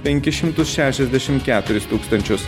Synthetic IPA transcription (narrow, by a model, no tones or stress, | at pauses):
pʲɛŋʲkʲɪʃʲɪmt̪ʊsʃʲæːʃʲɛzʲd̪ʲæʃʲɪmkʲæːt̪ʊɾʲɪst̪uːkst̪ɐnʲt͡ʃʲʊs